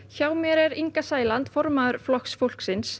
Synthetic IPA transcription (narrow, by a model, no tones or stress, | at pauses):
çaːwmɛɾɛɾiŋkasaːjlant̪fɔɾmaðʏɾflɔhksfowl̥ksɪns